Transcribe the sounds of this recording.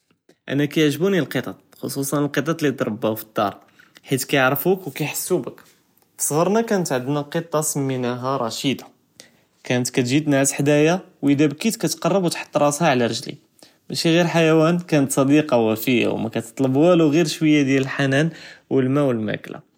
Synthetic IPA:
ʔæ̰nækæjəʕʒbunilqət̪ˤɑt̪̚xo̰sˤusˤɑnəlqət̪ˤɑt̪ˤlid̪ɾˤəbːahufə̥d̪̥ːɑ̰ɾˤ | ħit̪kæjʕɾfukwkæjħə̥sːubək | fsˤɣəɾˤnækænət̪ʕəd̪næqət̪ˤːɑsəmːinæɦaɾˤɑʃid̪ɑ̥ | kænət̪kæt̪ʒid̪naʕsħd̪æjawʔid̪æbkit̪kæt̪qɑrˤːəbwt̪ħɑ̥t̪ˤːɾˤɑt̪hæʕlæɾˤəʒlḭ | bæʃiɣiɾħajæwænkænət̪sˤɑd̪iqɑwæfəjːa̰wmæ̰kæt̪ə̥t̪ˤləbwæluɣiɾʃwəjːad̪jæləlħanænwəlmæwəlmæ̰kla̰

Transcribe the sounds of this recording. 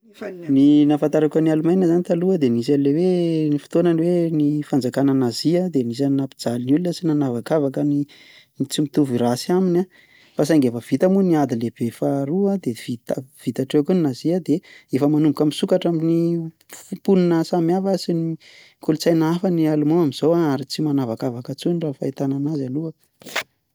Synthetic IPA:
ninafant̪aɾakanialumajnəzanit̪aluəd̪enis̬anilewenifi̥t̪onaniwenifand͡zakanənaziəd̪enis̬aninapid͡zalinulunəsinanavakavakəni | nit͡simit̪uviɾasiaminʲa | fas̬ajŋɡefəv̥it̪amuniad̪ileb̥efaɾuad̪evit̪av̥it̪aʈ͡ʂekunnaziəd̪eefəmanumbukamisukaʈ͡ʂamini | puninəsamjavəsini | kulut͡sajnaafanialumoamiz̥owaaɾit͡simanavakavakət͡sunrafait̪ananazalua

